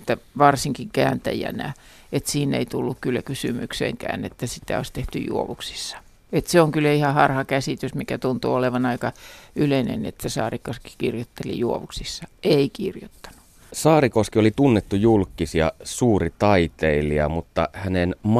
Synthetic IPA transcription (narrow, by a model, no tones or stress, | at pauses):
et̪ːæʋɑrsiŋkiŋkæ̰ːnt̪æ̰jæ̰næ̰ | et̪siːnḛit̪ulːukkylːækysymy̰ksḛŋkæ̰ːnḛt̪ːæsit̪æ̰o̰ist̪eht̪y̰jṵoʋuksi̥sːɑ̥ | et̪seoŋkylːæihɑhɑrhɑkæsit̪ysmikæt̪unt̪uoleʋɑnɑikɑyleinḛnḛt̪sesɑ̰ːrikoski̥kirjot̪ːelḭjuoʋuksisːɑeikirjot̪ːɑ̥nu̥ | sɑːrikoskiolit̪unːet̪ːujulkːˑisiɑ̰suːrit̪ɑit̪eiliɑmut̪ːɑhænenm